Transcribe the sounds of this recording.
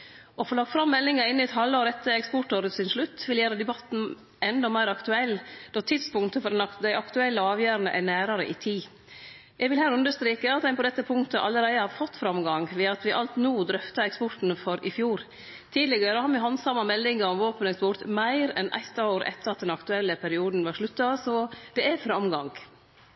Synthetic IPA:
ʔɔfoːlɑːɡfɾɑmːɛlːɪŋɑɪnːɪɛt̪hɑlːoːɾɛt̪ːəɛkspɔʈoːɾət̪sɪnʂɭʉt̪ːʋɪljæːɾəd̪ɛbɑt̪n̩ | ɛnd̪ɔmæɪɾɑkt̪ʉɛlːd̪̥ɔt̪ʰɪt̪spʊŋt̪əfɔɖɛnd̪æɪʔɑkt̪ʉɛlːəɑːʋjøːɾənə̰ʔæɳæːɾɑɾə̰ʔɪt̪ʰiː | jʔɛɡʋɪlhæːɾʉnd̪əʂt̪ɾiːkəɑt̪d̪æɪpɔd̪ɛt̪ːəpʰʊŋt̪əʔɑlːəɾæɪəhɑɾfɔt̪ːfɾɑmɡɑŋʋɛɑt̪ʋɪʔɑlt̪nuːd̪ɾœft̪ɑɛkspɔʈ̪n̩fɔɾɪfjuːɾ | t̪ʰiːd̪lɪɡəɾəhɑɾmɪɦɑnsɑmːɑmɛlːɪŋəɾɔmʋoːpənɛkspɔɾt̪mæɪɾɛ̰nʔæ̰ɪt̪ːɑʊɾʔɛ̰t̪ːəɾɑt̪̚d̪ɛnɑkt̪ʉɛlːəpʰæɾɪuːd̪n̩ʋɑɾʂɭʉt̪ːɑsɔd̪̥ɛæɾfɾɑmɡɑŋ

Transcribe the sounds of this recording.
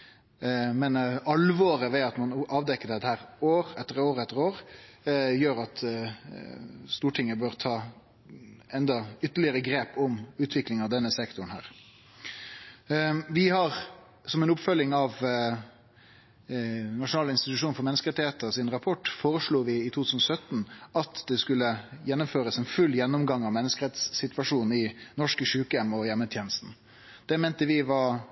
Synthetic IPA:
mɛnɑlʋoːɾəʋɛɑt̪mɑnʔɑːʋd̪ɛkːəd̪ɛt̪hæːɾoːɾɛt̪ːəʁoːɾəɛt̪ːəɾoːʁ | jøːɾɑt̪ | st̪uːʈʰɪŋːəbøːʁt̪ʰɑː | ɛnd̪ɑʏt̪ːəlɪəʁəɡɾeːpɔmʉːt̪ʰʋɪklɪŋɑʋd̪ɛnːəsɛkt̪ʊn̩hæ̰ːʁ | ʋɪhɑʁ | sɔmɛnʊpfœlːɪŋɑʋ | nɑʂʊnɑːləɪnst̪ɪt̪ʉʂuːnfɔɾmɛnːəskəɾɛt̪ɪheːt̪əɔsɪnɾɑpʰɔʈːfoːɾəʂluːʋɪɪt̪ʰut̪ʰʉːsn̩ɔsœt̪n̩ɑt̪d̪̥ɛskʉlːəjɛnːʊmføːɾəsɛnfʉlːjɛnːʊmɡɑŋɑʋmɛnːəskəɾɛt̪sːɪt̪ʋɑʂuːn̩ɪnɔʂkəʃʉːkəjɛmːɔjɛmːət̪ʰjeːnəst̪n̩ | d̪̥ɛmeːnt̪əʋɪʋɑ

